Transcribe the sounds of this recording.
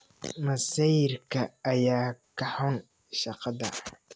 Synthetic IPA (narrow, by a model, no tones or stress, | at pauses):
mɐsijrkʰɐːjaːkʰɐħʊn | ʃɑqɑðɐ̰